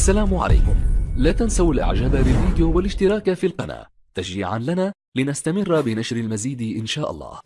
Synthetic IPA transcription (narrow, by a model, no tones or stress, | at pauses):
ʔʔasːalaːmʕa̰la̰jkʊmlaːt̪ansawalʔa̰ʕd͡ʒaːbalɪlviːd̪ɪjuːwalɪʃt̪ɪɾˤɑːkafiːlqɑna̰ː | t̪ad͡ʒḭːʕa̰nlanaː | lɪnast̪amɪrːbɪnaʃɾalmaziːd̪ʔɪnʃaːʔɑ̰lˤːɑ̰ːh